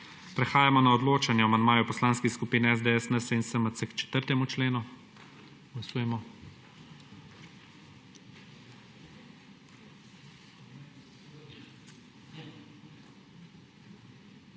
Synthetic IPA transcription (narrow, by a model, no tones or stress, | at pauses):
pɾɛxaːjamɔnaɔd̪loːt͡ʃanjɛmand̪̚maːjupɔslaːnskiskupiːnɛɛzd̪eɛsnəsensəməsəkt͡ʃɛ̥t̪əɾt̪ɛmut͡ʃleːnu | ɡ̥lasuːjɛmɔ